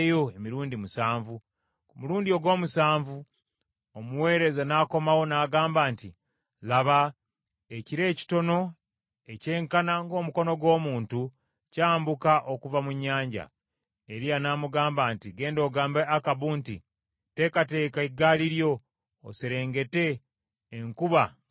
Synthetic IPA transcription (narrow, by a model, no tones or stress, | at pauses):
jo̞emiɾuːndimusaːɱvu | kumuluːndio̞ɡwo̞ːmusaːɱvu | omuwe̞ːɾe̞zanaːko̞mawo̞naːɡaːmbaːnti | laβa | e̞ciɾe̞ːci̥to̞no̞ | e̞ce̞ːŋkanaŋɡo̞ːmuko̞no̞ɡwo̞ːmuːntu | caːmbukaʔo̞kuvamuɲːaːɲɟa̰ | eɾianaːmuɡaːmbaːntiɡe̞ːndo̞ɡaːmbeakaβuːntḭ | te̞kate̞ːkaiɡaːliɾjo̞̰ː | seɾe̞ːŋɡe̞te̞ː | ŋkuβa